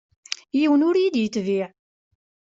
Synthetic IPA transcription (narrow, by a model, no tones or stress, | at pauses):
jiwənʊɾjid̪jət̪ːviʕ